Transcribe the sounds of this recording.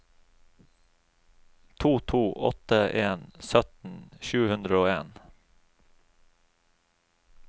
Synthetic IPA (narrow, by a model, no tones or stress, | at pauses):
t̪ʰuːt̪ʰuːʔɔ̰t̪əʔeːnsœt̪n̩ʃʉːəhʉnd̪ɾəoːeːn